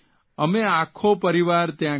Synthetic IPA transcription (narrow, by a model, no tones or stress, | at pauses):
əmeakʰopəɾiʋaɾt̪jã